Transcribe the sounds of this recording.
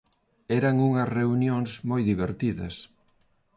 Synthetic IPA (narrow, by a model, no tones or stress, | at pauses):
ɛɾɐŋuŋɐsreunjoŋsmojðiβ̞eɾt̪iðɐ̰s